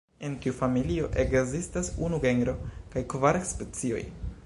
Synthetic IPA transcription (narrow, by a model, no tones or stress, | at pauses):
enkiufamilio̞ʔe̞ɡzistasunuɡe̞ŋɡɾo̞kajkvaɾekspe̞t͡sio̞̰j